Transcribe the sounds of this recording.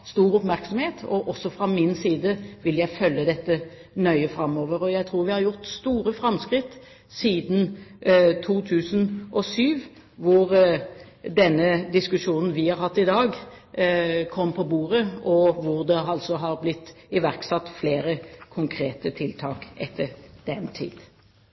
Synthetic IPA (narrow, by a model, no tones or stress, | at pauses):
st̪uːɾʊpmæɾksɔmheːt̪ɔʔɔsːɔfɾɑmɪnsiːd̪əʋɪljæɪfœlːəd̪ɛt̪ːə | nœʏəfɾɑmːoːʋəɾɔjæɪt̪ʰɾuːɾʋɪhɑɾjʊʁt̪st̪uːɾəfɾɑmskʁɪt̪ː | siːd̪n̩ | t̪ʰuːt̪ʰʉːsənʔɔsyːʋ | ʋʊɾ | d̪ɛnːəd̪ɪskʉʂuːnn̩ʋɪhɑɾhɑt̪ːɪd̪ɑːɡ | kʰɔmːpʰɔbuːɾəɔʋʊʁd̪ɛɦɑlt̪sɔɦɑʁblɪt̪ːɪʋæʁksɑt̪ːfleːɾəkʰʊŋkʰɾeːt̪ət̪ʰɪlt̪ʰɑːkʔɛt̪ʰːəɾd̪̥ɛnt̪ʰḭːd̪̥